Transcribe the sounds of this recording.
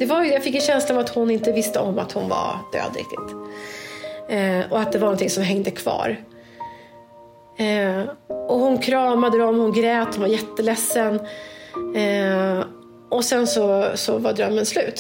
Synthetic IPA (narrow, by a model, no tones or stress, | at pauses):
d̪̥ɛvajjafɪkːɛnɕɛnslaːvat̪hʊnɪnt̪əvɪst̪əɔmːa̰t̪hʊnva̰ɾd̪̥ø̰ːd̪ɾɪ̰k̚t̪ɪ̰t̪ | ɔat̪̚d̪ɛvaɾnɔnt̪ʰɪŋsɔmɦɛŋd̪əkʰv̥ɑ̰ːɾ | ʔɔhʊnkʰɾɑːmad̪əd̪ɔmhʊnɡɾɛːt̪hʊnvaɾjɛt̪ːəlɛsːən | ʔɔsɛnsɔsɔvad̪ɾœmːənslʉ̟ːt̪